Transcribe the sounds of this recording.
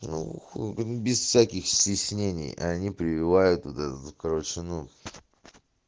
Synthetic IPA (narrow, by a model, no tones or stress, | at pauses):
nṵxbʲɪsfsʲækʲɪxsʲtʲɪsʲnʲenʲɪ̰jɐ̰nʲipɾʲɪvʲɪvajʊt̪vot̪ɛt̪ət̪kəɾvət͡ʃɪnu